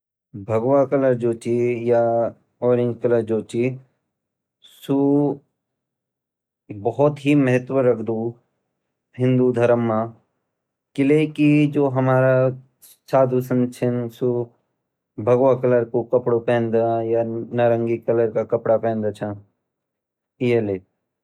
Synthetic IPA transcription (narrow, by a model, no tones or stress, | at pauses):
bʱɐɡʋwakɐləɾd͡ʒoːt͡ʃija | ɔːɾɪ̃ŋɡkɐləɾd͡ʒoːt͡ʃi | su | bɐɦɔt̪ɦimɐɦət̪wəɾːɐkʰd̪u | ɦɪ̃nd̪ud̪ʱɐɾəmːa | kɪlekid͡ʒoːɦɐmaːɾa | t͡ʃaːd̪ʱusənt͡ʃʰɪnsu | bʱɐɡʋakɐləɾkokɐpɽopɛ̃ːnd̪ajanaɾə̃ŋɡikɐləɾkakɐpɽapɛ̃ːnd̪at͡ʃʰã | ijeleː